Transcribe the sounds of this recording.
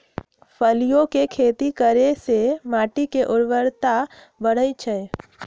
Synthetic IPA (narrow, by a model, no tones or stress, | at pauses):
pʰəlijõkekʰeːt̪ikəɾesemaːʈikeʔʊɾʋəɾt̪a | bəɽ̤ət͡ʃʰə